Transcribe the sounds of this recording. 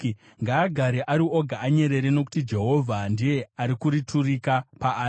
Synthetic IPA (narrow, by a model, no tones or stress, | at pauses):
ŋɡaːɡʱaɾeʔaɾio̞ɡʱaːɲe̞ɾe̞ɾeno̞ku̥tid͡ʒe̞ɦo̞vʱandije̞aɾikuɾitʰurikapaaː